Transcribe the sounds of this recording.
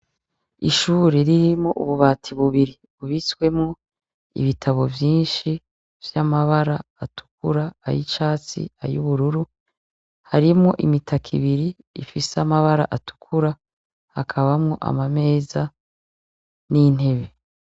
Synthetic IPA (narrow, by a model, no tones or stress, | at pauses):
ḭʃuːɾe̞ɾiɾimŋo̰ʔuβuβaːtʰiβuβiɾi | βuβiswe̞mŋo | ḭβitʰaβo̞vjiːnʃi | vjamaβaɾaːtʰu̥kuɾaːjḭt͡ʃaːt͡sḭa̰jṵβuɾuɾu | haɾimŋo̞ʔimitʰakʰḭβiɾiː | fiseamaβaɾa̰ʔatu̥kʰuɾa | hakʰaβamŋo̞̰ʔa̰mame̞ːza | nin̥e̞βe̞